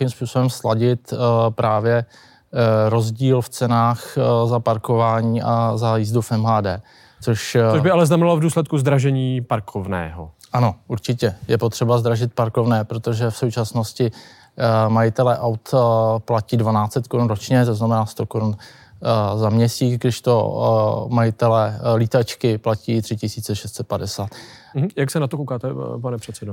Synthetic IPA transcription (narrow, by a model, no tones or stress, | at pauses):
imspuːso̞bɛmslaɟɪt̪pɾʔaːvjɛ | ɾo̞zɟiːlft͡sɛnaːxzapaɾkovaːɲiːʔazajizdufɛmɦaːdɛː | t͡soʃobɪalɛznamɛnalovduːslɛt̪kuzd̪ɾaʒɛɲiːpaɾkʰovnɛ̰ːɦo̰ʔano̞ʔuɾt͡ʃɪcɛjɛpo̞t̪r̥ɛbazd̪ɾaʒɪt̪̚paɾko̞vnɛːpɾo̞t̪oʒɛfso̞wt͡ʃasno̞scɪ | majɪt̪ɛlɛʔawt̪placiːdvanaːt͡sɛt̪koɾunɾot͡ʃɲɛt̪o̞znamɛnaːst̪o̞koɾun | zamɲɛsiːt͡sɡdɪʃt̪o̞̰ | majɪt̪ɛlɛlit̪at͡ʃkɪplaciːt̪r̥ɪcɪsiːt͡sɛʃɛst̪sɛt̪padɛsaːt̪ | m̩jaksɛnat̪okowkaːt̪ɛpanɛpr̥ɛt̪sɛdo